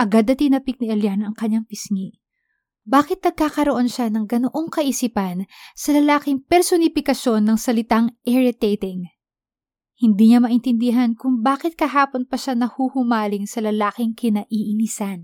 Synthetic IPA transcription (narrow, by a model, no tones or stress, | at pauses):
ʔɐɡad̪ɐt̪inɐpik̚niʔɐljanʔɐŋkɐɲːaŋpɪsŋi | baːkɪt̪̚nɐɡ̚kaːkɐɾoʔo̞nʃanɐŋɡɐnoʔo̞ŋkɐʔisipɐnsɐlɐlaːkɪŋpɛɾsonɪpɪkɐʃo̞nːɐŋsɐlɪt̪aŋʔɛɹɪt̪et̪ɪŋ | hɪnd̪iɲamɐʔɪnt̪ɪnd̪iɦɐnkʊŋbaːkɪt̪̚kɐɦaːpo̞npɐʃanɐhuhʊmaːlɪŋsɐlɐlaːkɪŋkʰɪnɐʔiʔɪnisan